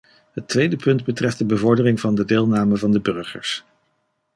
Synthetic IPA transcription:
ɦətʋejdəpɵndbətrɛft̚dəbəvɔɹdərɪŋvɑndədɪːlˠnaːməvɑndəbɵɹχə̰ɹs

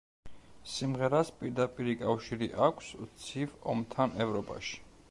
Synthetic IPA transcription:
simʁɛɾaspʼiɾd̪apʼiɾikʼafʃiɾiʔakʷʰst̪sʰivɔmt̪ʰanɛvɾɔpʼa̰ʃi̥

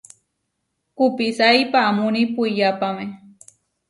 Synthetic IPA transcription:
kupisajpaːmʊnipuijapame

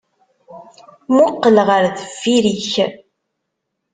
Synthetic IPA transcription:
mʊqːəlʁəɾðəfːiɾiç

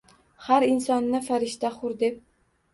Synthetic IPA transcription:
haɾɪnsɒnːɪfaɾɪʃt̪aχʊɾd̪e̞p̚

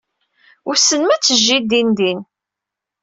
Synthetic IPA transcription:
ʊɾsːənmæt͡sːəʒːid̪ind̪in

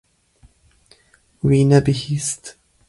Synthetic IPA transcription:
wiːnabihist̪

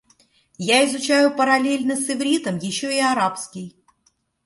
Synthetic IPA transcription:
jaɪzʊt͡ɕæjʊpəɾɐlʲelʲnəsɨvɾʲit̪əmjɪɕːoɪɐɾapskʲɪj

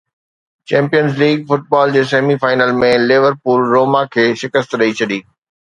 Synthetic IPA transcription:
t͡ɕɛ̃ːmpijənzliːɡfʊʈ̚baːld͡ʑeːseːmifaːɪnəlmẽlɪʋəɾpuːlːoːmakʰeːʃɪkəst̪ɾɐit͡ɕʰɐɗ̪iː

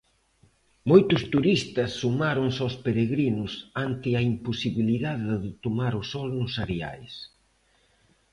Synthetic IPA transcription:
mojt̪ʊst̪uɾist̪ɐsːumaɾʊŋsospeɾeɣɾinʊsant̪ɪɐimposiβiliðaðɪðɪðɪt̪omaɾʊsɔlnʊsaɾea̰js

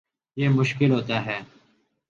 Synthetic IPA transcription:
jeːmʊʃkɪlɦoːt̪aːɦɛː

